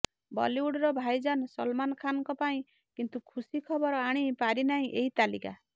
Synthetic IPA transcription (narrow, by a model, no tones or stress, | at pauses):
bɔ̰liuɽɔɾɔbʱajd͡ʒansɔlmanɔkʰanɔŋkɔpaĩ | kint̪ukʰusikʰɔbɔɾɔaɽ̃ipaɾinaɦĩʔeɦit̪alḭka̰